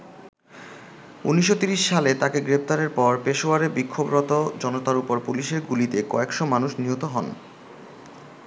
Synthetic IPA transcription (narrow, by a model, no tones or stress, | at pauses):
ṵniʃ̬ːot̪iɾiʃːalet̪akeɡɾep̚t̪aɾeɾpɔɾpeʃoaɾeɾbikʰːobɾɔt̪od͡ʑɔnot̪aɾupoɾpuliʃeɾɡulit̪ekɔ̰ekʃomanuʃniɦot̪oɦɔn